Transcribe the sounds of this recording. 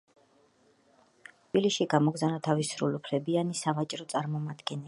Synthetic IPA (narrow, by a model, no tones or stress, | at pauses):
t̪ʰbilisʃiɡamɔɡzanat̪ʰavisɾṵlupʰlɛbianisavat͡ʃʼɾɔt̪sʼaɾmɔmad̪ɡɛnɛ